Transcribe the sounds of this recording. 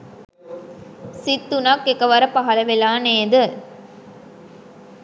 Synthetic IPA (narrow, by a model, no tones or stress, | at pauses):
sit̪ːunɐkːekɐʋɐɾɐpɐɦɐlɐʋelaːneːd̪ɯ